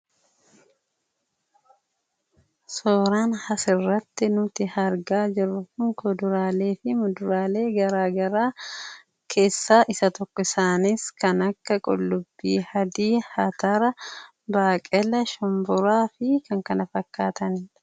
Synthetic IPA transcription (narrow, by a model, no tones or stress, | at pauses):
soːɾaːnhɐsɪrːɐt̪ːɪnʊt̪ɪhɐɾɡaːd͡ʒɪrːʊkʊŋkɔd̪ʊɾaːle̞ːfɪmʊd̪ʊɾaːle̞ːɡɐɾaːɡɐɾaː | kʰe̞ːsːaːʔɪsɐt̪ɔkːɔɪsaːnɪskɐnɐkːɐkʼɔ̰lːʊbːiːhɐd̪iːhɐt̪ɐɾɐ | baːkʼɛlɐʃɔmbʊɾaːfɪkɐŋkɐnɐfɐkːaːt̪ɐnɪ